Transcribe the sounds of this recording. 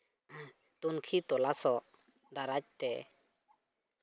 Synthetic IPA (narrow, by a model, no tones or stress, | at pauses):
t̪unkʰit̪ɔlasɔʔ | d̪aɾac̚t̪ɛ